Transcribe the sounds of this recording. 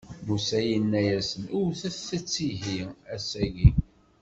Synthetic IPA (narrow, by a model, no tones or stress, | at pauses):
musæjənːæjæsənʊɾθæθət͡sːiɦiæsæʝi